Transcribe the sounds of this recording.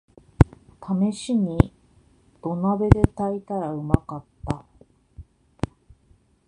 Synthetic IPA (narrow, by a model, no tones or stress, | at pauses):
t̪ʰame̞ɕiɲ̟i | d̪̥o̞nabe̞d̪e̞t̪ait̪aɾaɯ̟makat̪ːa